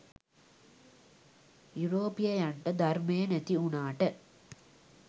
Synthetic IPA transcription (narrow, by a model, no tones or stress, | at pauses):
juɾoːpijɐjɐɳʈɐd̪ʱɐɾmeːnɐt̪iunaːʈɐ